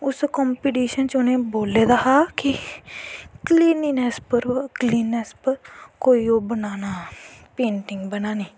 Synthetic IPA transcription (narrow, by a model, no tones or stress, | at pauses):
ʊskɔːmpiːʈiːʃənt͡ʃʊnẽːboːleːd̪aːɦaːki | kliːninɛspəɾkliːnɛspəɾkoːiːoːbənaːnaːpẽːɳʈɪ̃ŋɡbənaːnĩː